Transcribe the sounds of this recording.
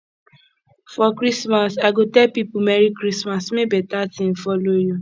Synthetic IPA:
fɔkɾismasaɪɡotɛlpipumɛɾikɾismasmebɛtatĩmfɔloju

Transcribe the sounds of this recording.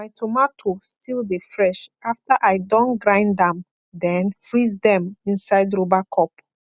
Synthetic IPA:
majtʰomatʰostʰilˠdefɹɛʃaftaʔajdɔ̃nɡɹãɪ̃ndãm | dɛ̃nfɹizdɛ̃mĩnsaɪdɹobakʰɔp

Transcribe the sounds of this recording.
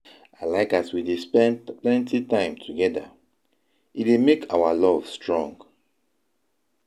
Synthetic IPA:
aɪlaɪkaswidespɛ̃nplɛ̃ntitãɪ̃mtʰuɡɛda̰ | ʔitemekʰawalɔvstɹɔ̃ŋɡ

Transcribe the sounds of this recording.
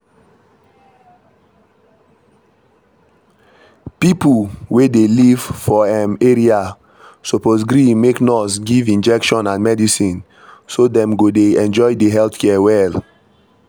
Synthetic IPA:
pipulwedeliv̥fɔɛ̃meɹia | soposɡɹĩmeknɔsɡivĩnd͡ʒɛkʃɔ̃nãnmɛdisĩn | sodɛ̃mɡodeɛ̃nd͡ʒɔjdeɦɛlθkʰɛɛwɛl

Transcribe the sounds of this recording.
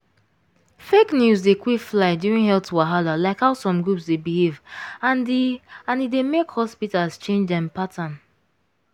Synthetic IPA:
feknjuzdekwikflaɪduĩnhɛltwaɦalalaɪkhaʊsɔ̃mɡɹupsdebihevãndiãnidemekhɔspitalst͡ʃẽnd͡ʒdɛ̃mpatʰãn

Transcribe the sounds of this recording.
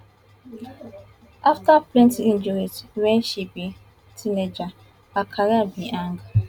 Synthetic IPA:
aftaplɛ̃ntind͡ʒuɾitwenʃibi | tʰined͡ʒa | akʰaɾabiʔaŋɡa

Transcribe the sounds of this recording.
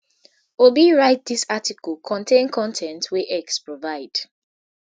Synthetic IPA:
obiɹaɪt̚d̪isatikɔlˠkʰɔ̃ntʰẽnkʰɔ̃ntʰɛ̃ntʰweʔɛkspɹɔvaɪd̥

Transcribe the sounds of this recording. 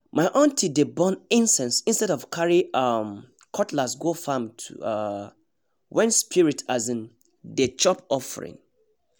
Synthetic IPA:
maɪʔɔ̃ntʰidebɔ̃nĩnsɛ̃nsĩnstɛɾɔv̥kʰaɹiam | kʰɔtʰlasɡofãmtʰṵ | wɛ̃nspʰiɹitʰazĩn | det͡ʃɔpɔfə̰ɹḭ̃n

